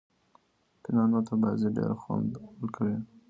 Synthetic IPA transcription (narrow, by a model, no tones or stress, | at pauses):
pɪnɑnot̪abaziɖḛɾxɑ̰nəlkawi